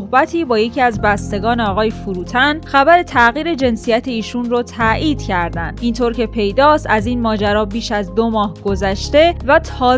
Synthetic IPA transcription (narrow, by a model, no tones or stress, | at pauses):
hbæt̪ʰiːbɒːje̞cʰiːæzbæst̪e̞ɡɒːneɒːɣɒːjefuɾuːt̪ʰænxæbæɾe̞t̪ʰæɣiːɾe̞d͡ʒe̞nsijæt̪ʰeiːʃunrot̪ʰæʔiːd̪̥cʰæɾd̪ænd̪ʔint̪ʰoːɾcʰe̞pʰe̞jd̪ɒːst̪æzinmɒːd͡ʒæɾɒːbiːʃæzd̪omɒːhɡ̥o̞zæʃt̪e̞væt̪ʰɒː